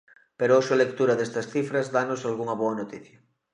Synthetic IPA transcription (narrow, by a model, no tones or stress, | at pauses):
peɾooʃoalek̚t̪uɾɐðest̪ɐsθifɾɐzd̪anosalɣuŋɐβoɐnot̪iθjɐ